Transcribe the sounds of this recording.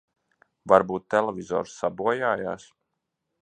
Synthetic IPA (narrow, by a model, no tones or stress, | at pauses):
vaɾbuːt̪ːɛlˠɛvʲizɔ̰ːɾsːabuɔjaːja̰ːs